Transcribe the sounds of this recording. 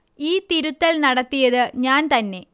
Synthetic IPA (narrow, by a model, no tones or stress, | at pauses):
iːt̪iɾut̪ːɐlnɐɽɐt̪ːijɐðɨɲaːnt̪ɐnːe̞